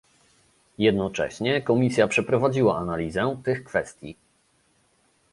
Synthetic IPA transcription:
jɛd̪nɔt͡ʂɛ̰ɕɲɛkɔmʲisʲjapʂɛpɾɔvad͡ʑiwaʔanalʲizɛt̪ɘxkfɛst̪ʲjḭ

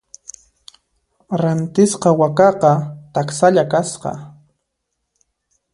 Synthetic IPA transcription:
ɾant̪ɪsqɑwakɑqɑt̪aksaʎakasqɑ̰

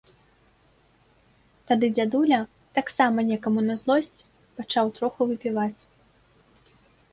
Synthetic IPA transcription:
t̪ad̪ɨd͡zʲad̪ulʲɐ | t̪aksamɐnʲɛkɐmunɐzlˠɔsʲt͡sʲ | pat͡ʂawt̪ɾɔxuvɨpʲivat͡sʲ

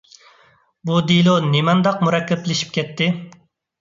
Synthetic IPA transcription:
bud̪ilˠonimɑnd̪ɑq̚muɾɑkʲːɛpːlɪʃi̥p̚kʲʰɛt̪ʰːɪ

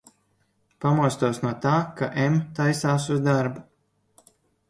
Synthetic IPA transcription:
pamuɔst̪uɔsnuɔt̪aːkaʔemt̪ajsaːsuzd̪aɾbu

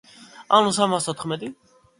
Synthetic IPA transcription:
anusammast̪ʰɔt̪ʰχmɛd̪i

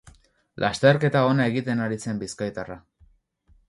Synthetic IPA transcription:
lʔast̪e̞ɾke̞t̪ao̞nae̞ɣit̪e̞naɾise̞mbiskajt̪ara

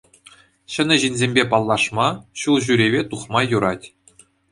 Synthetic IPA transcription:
ɕɘ̆nʲɘ̆ʑinʲzʲemʲbʲepɑlˠːɑʂmɑɕulˠʑyɾʲeβʲet̪uχmɑjuɾɑtʲ

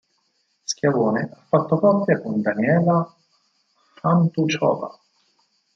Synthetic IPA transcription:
skjavoːneʔafːat̪ːokɔpːjakond̪anjɛːla | fant̪ut͡ʃɔ̰ːva̰

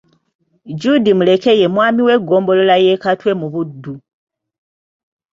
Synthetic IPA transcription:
d͡ʒudimule̞ke̞je̞mwaːmiwe̞ɡoːmbo̞lo̞lajekatwe̞muβudːu

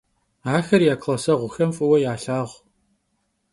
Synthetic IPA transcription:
aːxɐrjaːkʰlɐsɐʁʷʊxɐmfʼɨwɐjaːɬaːʁʷ

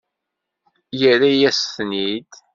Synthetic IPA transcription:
jəɾæjæsθnid̪

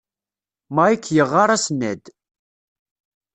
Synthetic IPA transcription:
maikʰːjəʁːaɾˤæsnːæd̪

